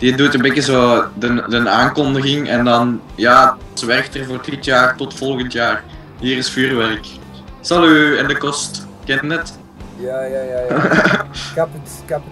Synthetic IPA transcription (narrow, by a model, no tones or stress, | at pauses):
didutənbeːkəzoːdəndənaːŋkɔndəɣɪŋɛ̰ndɑnjaː | sʋɛrktərvoːrətʰitjaːrtɔtfɔlˠɣəntjaːr | ɦiːɾɪsfyːrʋɛrk | sɑlyɛndəkɔst | kɛntnət